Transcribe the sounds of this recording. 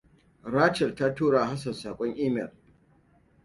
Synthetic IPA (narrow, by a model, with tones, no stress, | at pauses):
ɾaː˦t͡ʃɛ˨rtaː˦tuː˦ɽaː˨ha˦sɐ˨nsaː˨kʷʼɔ˦ŋʔiː˦mɛ̰˨l